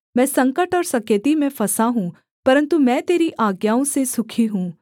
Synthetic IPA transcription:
mɛ̃ːsɐ̃ŋkəʈɔːɾsɐkjət̪imẽfɐsaɦũː | pɐɾə̃nt̪umɛ̃ːt̪eːɾiʔaːɡjaːõsesʊkʰiɦũː

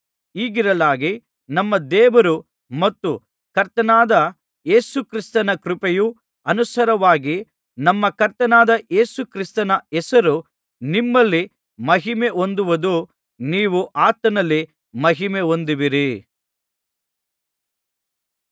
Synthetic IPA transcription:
iːɡiɾɐlaːɡi | nɐmːɐd̪ɛːʋɐɾu | mɐt̪ːu | kɐɾt̪ɐnaːd̪ɐ | je̞ːsukɾist̪ɐnɐkɾupeju | ɐnusɐɾɐʋaːɡi | nɐmːɐkɐɾt̪ɐnaːd̪ɐʔeːsukɾist̪ɐnɐɛsɐɾu | nimːɐlːi | mɐɦimeʔo̞nd̪uʋɐd̪u | niːʋuʔaːt̪ɐnɐlːi | mɐɦimeo̞nd̪iʋiɾi

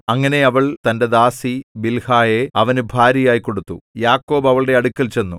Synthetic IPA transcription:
ɐŋːɐne̞ɐʋɐɭt̪ɐnde̞d̪aːsibilhaːjeɐʋɐnɨbʱaːɾjɐjaːjiko̞ɽut̪ːujaːkːo̞ːbɐʋɐɭɽe̞ɐɽukʲːɐlt͡ɕe̞nːu

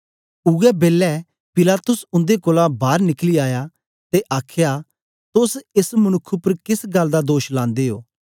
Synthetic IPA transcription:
ʊɡɛbeːlːɛ | pɪlaːt̪ʊsʊ̃nd̪ekoːlabaːɾnɪkliaːjaː | t̪eʔaːkʰjaː | t̪ʊsɪsmənʊkʰːupəɾkɪsɡɐld̪aːd̪oːʃlãːnd̪eːɦo̰ː

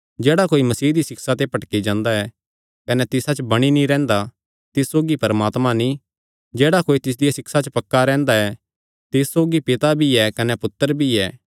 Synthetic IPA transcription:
d͡ʒɛːɽakoːimɐsiːd̪isɪksat̪epɐʈkid͡ʒãːnd̪aɛ | kɐnɛt̪ɪsat͡ʃbɐɽ̃inĩɾɛ̃ːnd̪a | t̪ɪssoːɡipɐɾəmaːt̪mãnĩ | d͡ʒɛːɽakoːit̪ɪs̬d̪ɪjasɪksat͡ʃəpɐkːaɾɛ̃ːnd̪aɛ | t̪ɪsːoːɡipɪt̪abʱiɛkɐnɛpʊt̪ːəɾbʱiɛː

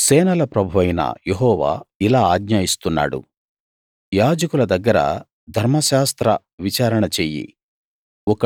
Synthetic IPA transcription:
sɛːnɐlɐpɾɐbʱuʋɐjnɐ̰jeɦɔːʋa̰ːilaːaːɡɲaːjist̪unːa̰ːɽṵ | jaːd͡ʒɐkulɐd̪ɐɡːɐɾɐ̰ | d̪ʱɐɾmɐʃaːst̪ɾɐ | ʋit͡ʃaːɾɐɳɐt͡ʃeːjḭ | ɔkɐ

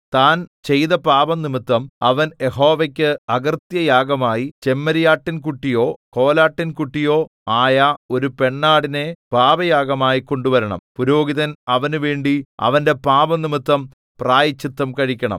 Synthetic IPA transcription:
t̪aːnt͡ɕe̞jðɐpaːbɐmnimit̪ːɐmɐʋɐnje̞ho̞ːʋɐkʲːɨɐɡɐrt̪jɐjaːɡɐmaːjit͡ɕe̞mːɐɾijaːʈːinkuʈːijo̞ːko̞ːlaːʈːinkuʈːijo̞ː | aːjɐo̞ɾupe̞ɳːaːɽine̞paːbɐjaːɡɐmaːjiko̞ɳɖuʋɐɾɐɳɐ̰mpuɾo̞ːɡiðɐnɐʋɐnuʋeːɳɖiɐ̰ʋɐnde̞paːbɐmnimit̪ːɐm | praːjit͡ɕːit̪ːɐmkɐɻikʲːɐɳɐ̰m

